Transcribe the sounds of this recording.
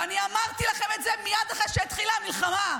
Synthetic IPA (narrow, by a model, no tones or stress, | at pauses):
aniamaʁt̪ilaχemetzemijad̪aχeʃet̪χilamilχama